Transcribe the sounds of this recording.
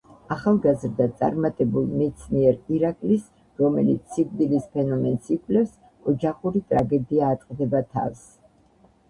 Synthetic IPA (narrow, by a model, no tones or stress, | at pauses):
aχalˠɡazɾd̪at̪sʼa̰ɾmat̪ʼɛbulˠmɛt̪sʰmiɛɾiɾakʼlis | ɾɔmɛlit̪sʰiɡ̚d̪ilispʰɛnɔmɛnsikʰʼlɛfs | ɔd͡ʒaχuɾit̪ʼɾaɡɛd̪iaːt̪ʼqʼd̪ɛbat̪ʰa̰s